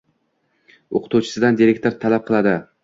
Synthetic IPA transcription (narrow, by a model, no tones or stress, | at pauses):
oqʰʊ̥t̪ʰuwt͡ʃʰɪ̥sɪd̪and̪iɾe̞k̚ʲt̪o̞ɾt̪ʰalap̚qʰɨlˠad̪ɪ